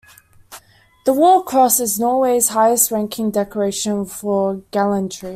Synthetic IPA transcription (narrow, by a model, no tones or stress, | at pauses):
ðəwɔːkʰɹ̥ɔsɪznɔweɪz̥haɪəstɹæ̃ŋkʰɪ̃ŋdɛkəɹeɪʃə̃nfəɡ̥alə̃ntʰɹ̥i